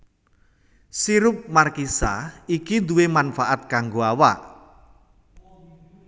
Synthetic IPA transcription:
siɾʊp̚markisa̰ikid̪uwemanfaʔat̪̚kaŋɡoawa̰ʔ

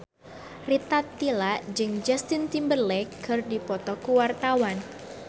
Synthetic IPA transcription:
rit̪at̪ːilaʔd͡ʒɨŋd͡ʒast̪ɪnt̪imbərlɛkːʰərdipɔt̪ɔkuwart̪awan

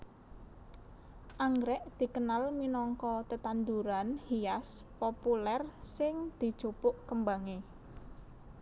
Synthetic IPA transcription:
ʔaŋɡɾɛʔd̪̥i̤kənalminɔŋkɔt̪ət̪and̪uɾanhiaspopulɛrsɪŋd̪̥i̤̥ʒ̥opʊʔkəmbaŋe

